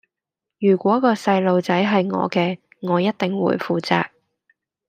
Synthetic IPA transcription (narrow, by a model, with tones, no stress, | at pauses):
jyː˨˩kʷɔː˨˥kɔː˧sɐ˧jlo˨wt͡sɐ˨˥jɦɐ˨jŋɔ̰ː˨˧kɛː˧ | ŋɔː˨˧jɐ˥t̚t̪ɪ˨ŋwṵː˨˥jfuː˨t͡sa̰ː˧k̚